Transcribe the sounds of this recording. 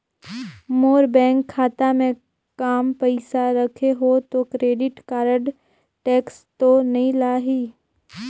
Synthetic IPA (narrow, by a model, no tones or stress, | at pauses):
moːɾbɛ̃ːŋkʰːaːt̪amẽ | kaːmpɛɪsaɾəkʰeɦot̪okɾeːɖɪʈkaːɾəɖ | ʈɛːkst̪onɐɦĩlaːɦiː